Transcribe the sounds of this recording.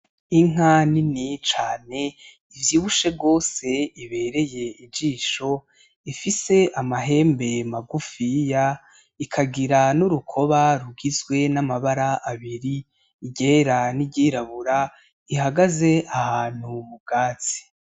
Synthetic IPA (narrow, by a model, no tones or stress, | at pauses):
iŋ̥aninit͡ʃaːne̞ | ivjiːβuʃe̞bɡo̞ːse̞iβe̞ːɾe̞je̞id͡ʒiːʃo̞ | ifise̞ʔamaɦe̞ːmbe̞maɡufija | ikʰaɡiɾanuɾukʰo̞βaɾuɡizɡwe̞namaβaɾaʔaβiɾi | iɟeːɾaniɟiːɾaβuɾa | iɦaɡaze̞ahaːn̥humub̚ɡ̥aːt͡si̥